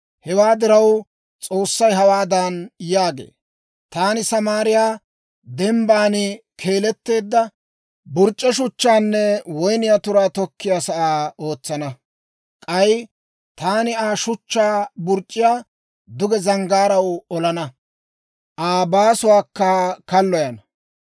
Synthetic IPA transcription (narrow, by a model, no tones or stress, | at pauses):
hɛwaːd̪ɪɾɐw | t͡sʼo̞ːsːɐjɦɐwaːd̪anjaːɡḛː | t̪aːnɪsɐmaːɾɪjaː | d̪ɛmbaːnɪkʰe̞ːlɛt̪ːe̞ːd̪ːɐ | bʊɾt͡ʃʼːɛʃ̬ʊt͡ʃːaːnːɛwɔjnɪjat̪ʊɾaːt̪ɔkːɪjaːsɐʔaːo̞ːt͡sːɐnɐ | kʼɐj | t̪aːnɪaːʃʊt͡ʃːaːbʊɾt͡ʃʼːɪjaː | d̪ʊɡɛzɐŋɡaːɾɐwʊɔlɐnɐ | ʔaːbaːsʊwaːkːɐkɐlːɔjɐnɐ